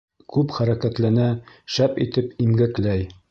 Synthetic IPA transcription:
kʉpχæɾækæt̪lænæʃæpḭt̪ɘpimɡæklæj

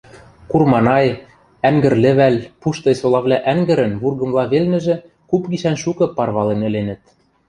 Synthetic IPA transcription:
kurmɑnɑj | æŋɡɘ̆rlɘ̆βælʲpuʃt̪ɤ̆jsolˠɑβlʲæʔæŋɡɘ̆ɾɘ̆nβurɣɤ̆mlˠɑβelnɘ̆ʒɘ̆ | kupɡiʃænʃukɤ̆pɑrβɑlenɘ̆lenɘ̆t̪̚

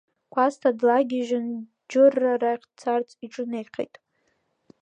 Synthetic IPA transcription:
kʷʰastʰadlaɡʲɪʒɪn | d͡ʒɨrːaraχʲt͡sʰart͡sʼiʈ͡ʂʼɨnejqʰḛjtʼ

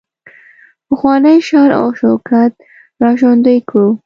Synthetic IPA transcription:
pəxwɑnəjʃɑɾa̰wʃawkat̪̚ | ɾɑʃond̪əjko

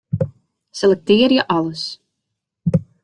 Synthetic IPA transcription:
sʲelʲˠek̚t̪iːɾjaʔalˠus

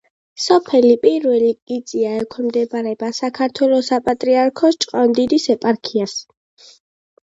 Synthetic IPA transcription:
sɔpʰɛlipʼiɾwɛlikʼid̪zʼiaɛkʰwɛmd̪ɛbaɾɛbasakʰaɾt̪ʰwɛlˠɔsapʼat̪ʼɾiaɾkʰɔst͡ʃʼqʼɔnd̪id̪isɛpʼaɾkʰias

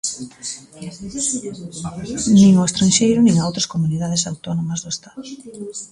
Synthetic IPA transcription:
nĩŋʊest̪ɾãnʃejɾʊnĩŋawt̪ɾɐskomuniðað̞esawt̪onomɐzðoest̪aðʊ

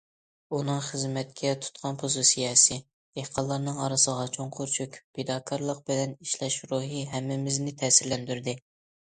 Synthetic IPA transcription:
unɨŋχəzmɛt̪̚kʲʰɛt̪ʰu̥t̪qʰɑnpʰozɨsijɑːsɪ | ehqʰɑlˠːɑɾnɨŋɑɾɨsəʁɑt͡ʃʰoŋqʰʊɾt͡ʃʰukʲpʰed̪ɑːkʰɑɾlˠəq̚bɪlɛniʃlɛʃɾuɦɨɦɛmːɪmɪznɪt̪ʰɛːsɪɾlɛnd̪yɾd̪ɪ

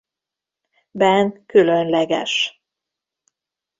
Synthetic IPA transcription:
bɛnkylønlɛɡɛ̰ʃ

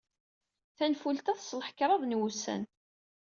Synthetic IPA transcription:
θænfult̪æθsˤlħə̥kɾˤɑðˤnwusæ̰n

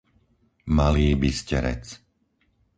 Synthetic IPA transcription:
maliːbiscɛɾɛ̰t͡s

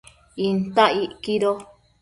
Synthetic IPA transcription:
int̪aʔiʔkiɾo

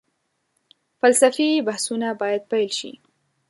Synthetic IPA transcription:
falsafibahsunabɑjad̪̚pajlʃḭ

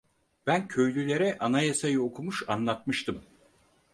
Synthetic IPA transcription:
b̥æncʰø̞jlʲylʲe̞ɾɛʔanajesejɯokʰumuʃanlˠat̪mɯʃt̪ʰɯm

